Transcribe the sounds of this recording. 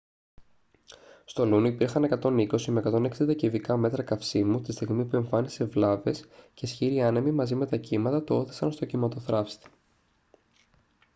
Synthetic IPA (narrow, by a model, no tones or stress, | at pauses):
st̪o̞luniipiɾxɐne̞kɐt̪o̞niko̞simekɐt̪o̞ne̞ksind̪ɐcivikɐme̞t̪ɾɐkɐfsimut̪ist̪iɣmipue̞ɱfɐnise̞vlɐve̞sce̞sçiɾiɐnemimɐzime̞t̪ɐcimɐt̪ɐt̪oo̞θi̥sɐnst̪o̞cimɐt̪o̞θɾɐfst̪i̥